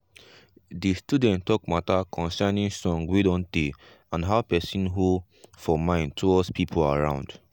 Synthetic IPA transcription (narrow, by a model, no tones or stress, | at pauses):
distudɛ̃ntːɔkmatakʰɔ̃nsɛnĩŋsɔ̃ŋɡwedɔ̃nde | ãnɦaʊpɛsĩnɦo | fɔmãɪ̃ntʰuɔspʰipʰolaɹã̰ʊ̃nd̥